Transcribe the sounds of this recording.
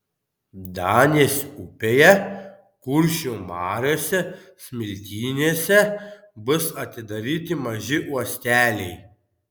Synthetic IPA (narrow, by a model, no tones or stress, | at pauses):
d̪ɑːnʲeːsʊpʲeːjɛ | kʊɾʲʃʲuːmɑːɾʲoːsʲɛsʲmʲɪlʲt̪ʲiːnʲeːsʲɛ | bʊsɐt̪ʲɪd̪ɐɾʲiːt̪ʲɪmɐʒʲɪʔuɔsʲt̪ʲæːlʲɛɪ